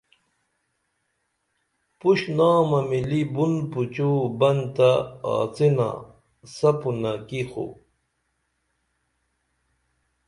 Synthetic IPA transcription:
puɕnaːmɐmilibunput͡ɕuːbɐnt̪aa̰ːt͡sina̰ | sɐpunakixṵ

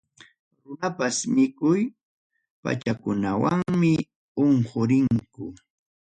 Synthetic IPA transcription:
ɾʊnapasmɪkʊj | pa̰t͡ʃakʊnawaŋmɪ | oŋhoɾɪŋkʊ

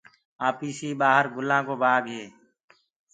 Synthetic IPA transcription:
aːpiːsiːbaːɦəɾɡʊlãːkoːbaːɡɦeː

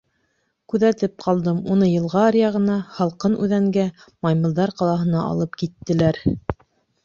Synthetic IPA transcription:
kʉðæt̪ɘp̚qʰɑlˠd̪ɤmunɤjɤ̆lˠʁɑɾjɑʁɤ̆nɑhɑlˠqɤnʔʉ̰ðæŋɡæ | mɑjmɤ̆lˠd̪ɑɾqɑlˠɑɦɤ̆nɑʔɑ̰lˠɤpkit̪ːɘ̆læɾ

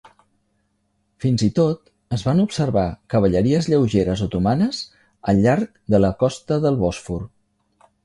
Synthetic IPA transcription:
finzit̪ot̪ | əzβanupsəɾβakəβ̞əʎəɾiəzʎəwʒeɾəzot̪umanəz | əʎːaɾk̚ | d̪ələkɔst̪əðəlˠβɔsfur

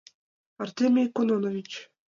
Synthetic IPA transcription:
art̪ʲemʲijkononovʲit͡ɕ

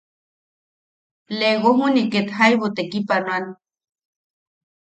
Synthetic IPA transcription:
leɣoɦuniket̪hajβot̪ekipanwan

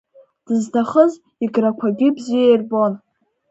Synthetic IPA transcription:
d̥ɨztʰaχəz | iɡrakʷʰaɡʲɪbziejrbon

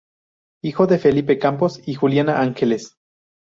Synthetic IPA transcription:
ixo̞ðefe̞lip̬e̞kampo̞sixuljanaʔaŋxeles

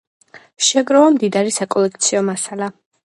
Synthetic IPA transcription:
ʃɛɡɾɔamd̪id̪aɾisakʼɔlɛk̚ʰt̪sʰiɔmasalˠa

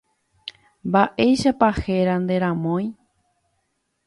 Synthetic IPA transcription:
mbaʔejʃapaheɾand̪e̞ɾãmõj̃

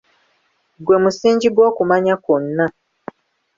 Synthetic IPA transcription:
ɡwe̞musiːɲɟiɡwo̞ːkumaɲakonːa

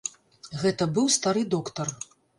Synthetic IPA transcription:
ɣɛt̪ɐbɨwst̪aɾɨd̪ɔkt̪ɐr

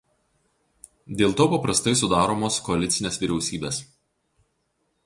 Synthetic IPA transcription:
d̪ʲeːlˠt̪oːpɐpɾɐst̪ɐɪs̬ʊd̪ɑːɾoːmoːskɔɐlʲɪt̪sʲɪnʲeːsʋʲiɾʲɛʊsʲiːbʲeːs

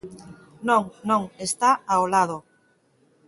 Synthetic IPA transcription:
nõŋnõŋest̪aaolaðo

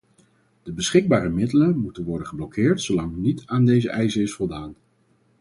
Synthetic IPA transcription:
d̥əbəsχɪɡ̚baːɾəmɪdələnmutənʋɔɹdənχəblɔkɪːɹtsowlɑŋnitaːndejzəʔɛjzəɪsfɔlˠdaːn

